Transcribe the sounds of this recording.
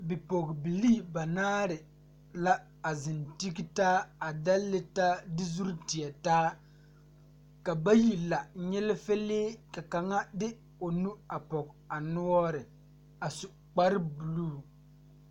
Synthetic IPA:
bɪ˨po˨ɣbi˨liː˦˨ba˨naː˦ɾɪ˨ | la˦ | a˨zɪ˨nti˦ɡi˦taː˦a˨da˦lːɪ˨ta˦dɪ˦zu˦ɾtɪ˨ɛ˨taː˦ | ka˨ba˦ji˨la˨ɲɛ˦lɪ˦fe˦leː˦ka˨ka˨ŋa˦dɪ˦ | o˨nu˦a˨pɔ˨k | a˨nʊ˦ɔ˦ɾɪ˨ | a˨su˨ | k͡pa˦ɾɪ˦bu˨luː˦˨

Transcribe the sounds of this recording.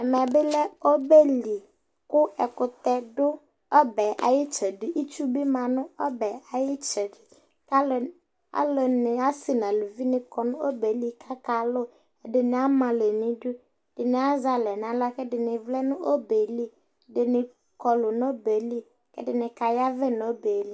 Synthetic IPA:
ɛ˨mɛ˨bɪ˦lɛ˦o˦be˦li˨ | kʊ˦ɛ˨kʊ˨t̪ɛ˦dʊ˦ | ɔ˦bɛ˨ʔa̰˨jɪ˦t͡ʃɛ˨dɪ˨ʔi˦t͡ʃu˦bɪ˦mã˨nʊ̃˦ɔ˦bɛ˨a˨jɪ˦t͡ʃɛ˨dɪ˨ | ka˦l | a̰˦lɔ˨nɪ˨a˦sɪ˨nã˨lʊ˨vi˦nɪ̃˨kɔ˨nʊ̃˦o˦be˨li˦kʰa˦ka˨lʊ˦˨ | dɪ˨nɪ˨a˦mã˨le˨nɪ̃˦dʊ˦ | d̥ɪ˨nɪ˨a˦za˨lɛ˨n˨a˨la˦kɛ˦dɪ˨nɪ˨vlɛ˦nʊ̃˦ʔo˦be˨li˦ | dɪ˨nɪ˨ | kɔ˨lʊ˨no˦be˨li˦ | kɛ̰˦dɪ˨nɪ˨ka˨ja˦vɛ˦no˦be˨li˦

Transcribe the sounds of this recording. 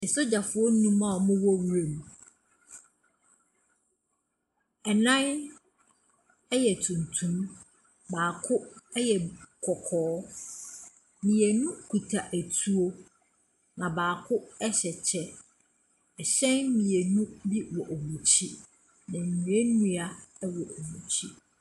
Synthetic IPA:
n̩˨sʊ˦d͡ʑa˨fʊ˨ɔ˦nũ˦mã˦˨ɔ˨mʊ̃˦wɔ˦wu˨ɾe˨mũ˨ | ɛ˨nã˦n | ɛ˦jɛ˨tʰũ˨ntʰũ˦m | baː˨kʰʊ˦ɛ˦jɛ˨kʰɔ˨kʰɔː˨˦ | mĩ˨e˨nũ˦kʰu˨tʰa˨ʔæ˨tʰu˦o˦ | nã˨baː˨kʰʊ˦ɛ˦ɕɛ˨t͡ɕʰɛ˦ | ɛ˨ɕɛ̃˦nmĩ˨e˨nũ˦bi˦wɔ˨ʔo˨mũ˨t͡ɕʰi˦ | nã˨n̩˨nũ˨e˦nũ˦a˨˦wɔ˨o˨mũ˨t͡ɕʰi˦

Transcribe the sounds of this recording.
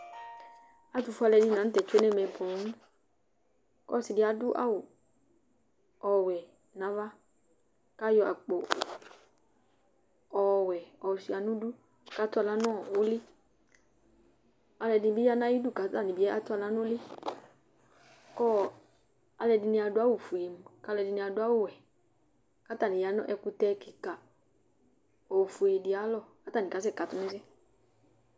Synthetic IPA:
a˨tu˧fa˧lɛ˧di˧nã˨n̩˦tɛ˨t͡ʃe˦nɛ˦˨mɛ̃˧˨po˨˦n˦ | kɔ̰˦˨si˨di˨˧a˨du˦ʔa̰˦wu˨ | ɔ˨wɛ˨ | nã˨˦va˦ | ka˦jɔ˧a̰˨k͡po˨ | ɔ˨wɛ˨ɔ˨si˨a˨˦nũ˦du˦ | ka˨˦tu˦a˧la˦nɔ̃˦˨o˦li˦ | a˧lɛ˧dɪ˧n˧bi˦a˦na˦i˦du˦˨ka˨˦ta˦˨nĩ˨bi˨˦ɛ˦a˦tu˦a˧la˦n˦lɪ˦ | kɔ˦ | a˧lɛ˧dɪ˨˧ni˧a˧dʊ˦a˦wu˦˨fu˨e˨m̩˨ka˧lɛ˧dɪ˧ni˧a˧dʊ˧˦a˦wo˦˨wɛ˨ | ka˦ta˦˨nĩ˨ja˨˦nɔ̰˦ʔɛ˧ku˧tɛ˧ki˨ka˨ | ɔ˨fu˨e˨di˨a˨˦lɔ˦˨ka˦ta˦˨ni˨ka˨˦s̬ɛ˦˨ka˨tu˦nɛ˦s̬ɛ˦

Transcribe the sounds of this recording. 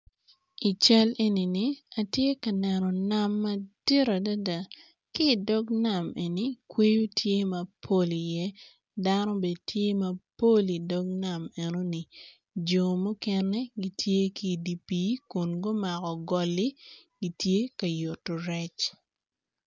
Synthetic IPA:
i˨t͡ʃa˦le˦ni˨ni˨a˨tje˦kɐ˨nɛ˨nɔ˨na˦mːɐ˦d̥i˦ɾa˨da˦da˨ | kiː˦˨dɔ˦ɡna˨me˨ni˨kwe˦jo˦tʰje˦mɐ˨pʰo˦li˨jɛ˦ | da˦nɔ˦be˨dtʰje˦mɐ˨po˦li˨dɔ˦ɡ̚na˨me˨no˦ni˨ | d͡ʒo˨mu˦kɛ˦nɛ˦ɡi˦tje˦ki˦˨di˨pi˦kʊ˨nɡo˦ma˨kɔ˨ɡɔ˨li˦ɡi˨˦tje˦kɐ˨jo˨tːo˨ɾɛ˦t͡ʃ

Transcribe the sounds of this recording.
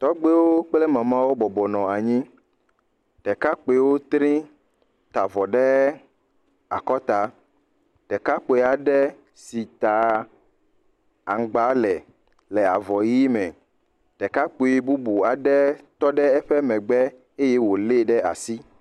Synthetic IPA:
t̪ɔ˦ɡ͡be˦wo˦k͡plɛ˦mã˨mã˦wo˦bɔ˨bɔ˨nɔ̃˨a˨ɲĩ˦ | t̪ɛ˨ka˦k͡pe˨wo˦t̪ɾĩ˦ | t̪a˨vɔ˨ɖɛ˦ | a˨kɔ˦t̪a˨ | t̪ɛ˨ka˦k͡po˨˦a˨ɖɛ˦ | si˨t̪a˨ | a˨ŋ˨ɡ͡ba˨˦lɛ˨ | lɛ˨a˨vɔ˨ji˦mɛ̃˨ | t̪ɛ˨ka˦k͡po˨e˨˦bu˦bu˨a˨ɖɛ˦t̪ɔ˦ɖɛ˦ɛ˦ɸɛ˦mɛ̃˨ɡ͡bɛ˦ | e˦jɛ˦wo˨le˦ɖɛ˦a̰˨si˦

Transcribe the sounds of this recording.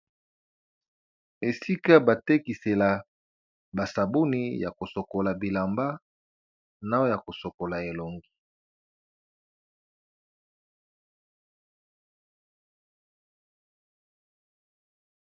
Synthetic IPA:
e˨si˦ka˦ba˨te˦ki˨se˨la˨ | ba˨sa˨bo˦ni˦ja˨ko˨so˨ko˨la˨bi˨la˨mba˦ | na˦o˦ja˨ko˨so˨ko˨la˨e˨lo˨ŋɡi̥˦

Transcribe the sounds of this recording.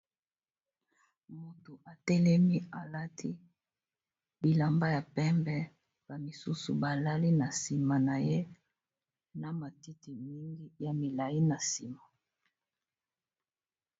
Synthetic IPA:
mo˨to˨ʔa˨tɛ˦lɛ˦mi˦a˨la˦tʰi˦ | bi˨la˨mba˦ja˨pɛ˦mbɛ˦ | b̥a˨mi˨su˦sṵ˨ba˨la˦li˦na˨si˨ma˨na˨je˦ | na˨ma˨ti˦ti˨mi˦ŋɡi˦ja˨mi˨la˨ji˦na˨si˨ma˨

